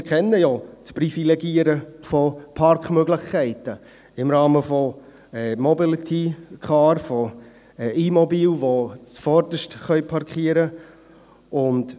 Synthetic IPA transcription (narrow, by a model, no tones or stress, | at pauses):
ɾkʰɛnːəjot͡sprifilɛɡiːəɾəfɔpʰɑɾkχmøɡlɪχkʰːæɪtə | ɪmɾɑːməfɔ | ɛmɔbilit̪ʰikʰɑːɾfɔ | ɛʔimɔbiːlʋot͡sfɔɾdəʃtχœʏpʰɑɾkχiəɾə | ʊnd